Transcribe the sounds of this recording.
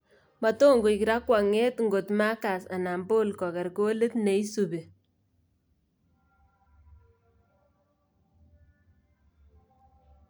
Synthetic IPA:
ma˨to˦ŋɡo˨i˨ki˨ɾa˦kwa˨ŋe˦tŋɡo˨tma˦ka˨sa˨na˨mbo˦lkɔ˨kɛ˨ɾko˦le˦tne˨i˦su˨be˨

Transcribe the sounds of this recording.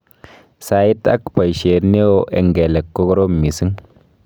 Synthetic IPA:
sa˨i˦ta̰˦kpa˨jʃe˨ɾne˦wo˦ʔḛ˨ŋɡe˨le˨kːo˦ɡɾo˦mːi˨si˦ŋ

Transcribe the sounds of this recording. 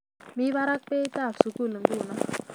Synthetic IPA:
mi˦βa˦ɾa˦k̚pe˦t̪a˦˨su˨ku˦˨lə˨mbu˦˨na˦

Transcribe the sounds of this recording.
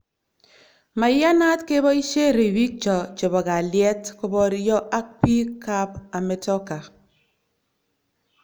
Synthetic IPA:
ma˨˦ja˦na˦tke˦bɔ˦i˦ʃe˦˨ɾi˨wi˦t͡ʃɔ˨t͡ʃe˨bɔ˨ɡa˨lje˦tkɔ˦bɔ˦ɾjɔ˦ʔa˦ki˦ka˦pa˨me˨tɔ˦ka˨

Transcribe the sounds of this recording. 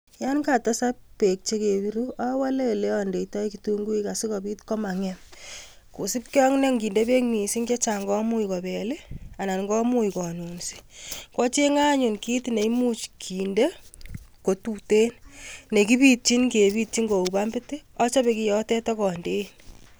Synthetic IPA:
ja˦nka˨tɔ˦sa˦ppe˨k̚t͡ʃe˦ke˨βi˦ɾua˦wa˦le˦le˦ɔ˦nde˨ita˦ikitu˦ŋɡu˦i˦ka˨si˦kɔ˨bi˦tkɔ˦ma˨ŋɛm | ku˨si˦p̚ke˦ɔ˦ŋne˦ŋɡiː˨nde˦pe˦kmi˨si˦ŋke˦t͡ʃa˨ŋɡɔ˦mu˦ikɔ˨bɛ˨le˦a˨na˨nŋɡɔ˦mu˦ikɔ˨nu˨nsi̥˦kɔ˦t͡ʃe˦ŋa˦ɲu˨nki˦tne˨imu˦t͡ʃkʰiː˨nde˦ko˨tu˦te˦nne˨kipi˦t̚t͡ʃi˦nke˨biː˦t̚t͡ʃi˦ŋɡo˨u˨pa˦mbɪte˦ɔ˦t͡ʃɔ˦pe˨ki˨jɔ˦tɛ˦tɔ˦kɔ˨nde˦n

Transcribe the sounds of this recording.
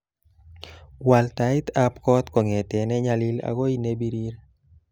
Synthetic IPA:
wa˨lt̪a˨ɪ˦t̪a˦pkɔ˦t̪kɔ˨ŋɛ˨tɛ˨nɛ˦ɲa˦li˦la̰ko˦i˦ne˦bi˦ɾi˦ɾ

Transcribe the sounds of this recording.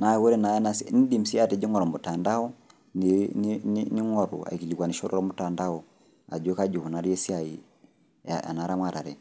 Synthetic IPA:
na˨˦ɣo˦ɾɛ˦na˨˦na˦sni˦di˦˨msi˦a˦te˨d͡ʒi˦ŋɔ˨ɾɔ˨mo˨ta˨nda˦ɔ˦ | ni˨nnni˦ŋɔ˨ɾṵ˨a̰˨i˨ki˨li˨kwa˨ni˨ʃɔ˦ɾɔ˦ɾɔ˦mo˨ta˨nda˦ɔ˨ | a̰˨d͡ʒe˦ka˦d͡ʒu˨hu˨na˨ɾi˦ɛ˦si˦a˨i˨ | a̰a̰˨na˨˦ɾa˦mwa˦˨ɾa˨ɾɛ˨

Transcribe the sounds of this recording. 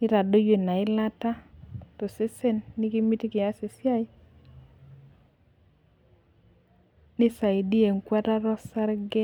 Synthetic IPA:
nɪ˦ɾa˨do˦je˨na˨ɪ˦la˦ta˦to˨se˦se˦nːi˦ki˦mi˦ti˦kɪ˨a˦sɪ˨sja˦ɪ˦ | nɪ˦sa˨i˨di˦e˨ŋkwa˦ta˦ɾɔ˦sa˦ɾɡɛ˦

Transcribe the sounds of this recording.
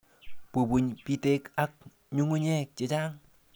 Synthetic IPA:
pu˨bu˨ɲpi˦te˦ka˦k̚ | ɲu˦ŋu˦ɲɛ˦k̚t͡ʃɪ˨d͡ʒa˦ŋ

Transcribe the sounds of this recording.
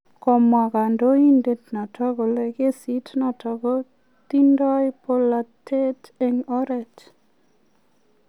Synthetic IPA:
kɔ˨ma˨ka˨ndo˦i˦nde˨tna˨tʰɔ˦ɡo˨le˦˨ke˦si˨˦tnɔ˨tɔ˨ɡo˦ | ti˦ndɔ˦jpo˦la˨tʰe˦te˨ŋɔ˦ɾɛ˨t

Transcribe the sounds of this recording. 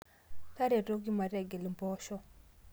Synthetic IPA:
ka˦ɾe˨ɾo˦ɡi˦ma˨ɾɛ˨ɡe˨lmbɔ˦ʃɔ˦

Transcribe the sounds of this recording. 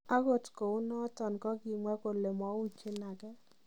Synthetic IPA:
a˦ɡo˦˨tko˨u˦nɔ˦tɔ˨nkɔ˦ɡi˨mwa˦ko˨le˨mɔ˨˦u˦t͡ʃɪ˦na˨ɡɛ˦

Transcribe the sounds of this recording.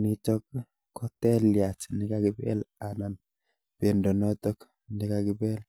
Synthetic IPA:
ni˦t͡ʃɔ˦kː | ɔ˦tɛ˦lja˨t͡ʃnɪ˦ka˦kɪ˦bɛ̰˦la˨na˨n | pe˨ndɔ˨nɔ˦t̪ɔ˦k | ni˦ka˨kɪ˦bɛ˦l

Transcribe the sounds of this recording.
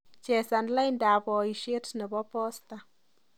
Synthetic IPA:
t͡ʃɛ˨sa˨nla˦jnda˨bɔ˨i˨ʃe˦tnə˨bɔ˦pɔ˦sta˨

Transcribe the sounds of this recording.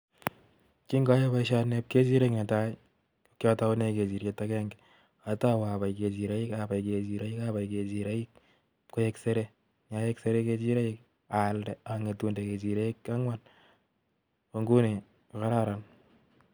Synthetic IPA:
ki˦ŋɡa˦je˦βa˦iʃa˦nep̚ke˦t͡ʃi˦ɾe˦kne˨ta˦i | okjɔ˦ta˦ne˨ke˨t͡ʃi˨ɾje˨ta˦kɛ˦ŋɡɛ | a˨ta˦wa˨ba˨jke˨t͡ʃi˨ɾa˦i˦kaba˨jke˨t͡ʃi˨ɾa˦i˦kaba˨jke˨d͡ʒi˨ɾe˦i˦k̚ | kːo˦je˦kse˦ɾe˦ | ɲa˨˦jɛ˦kse˦ɾe˦ke˦t͡ʃi˦ɾe˦ik̚ | a˨ldɛ˨a˨ŋe˨tu˨nde˨ke˨t͡ʃi˨ɾe˦i˦ka˦ŋwan | po˨ŋɡu˦ne˨ | ka˦ɾa˦ɾa˨n

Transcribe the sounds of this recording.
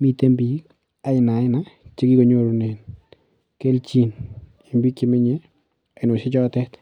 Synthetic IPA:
mi˦te˦mbi˨ | a˨ɪ˨na˨ɪ˦na˦t͡ʃɪ˦ki˦kɔ˨ɲo˦ɾnɛ˨n | ke˦lt͡ʃi˦n | i˨mbi˦ke˦mɪ˦ɲe˦ | a˨ɪ˨no˨sɪ˦t͡ʃɔ˦tɛ˦t

